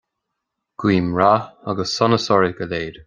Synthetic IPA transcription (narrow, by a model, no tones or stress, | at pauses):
ɡ̥wiːmɹaaɡəsːɔnəsɔɹiɡəleːd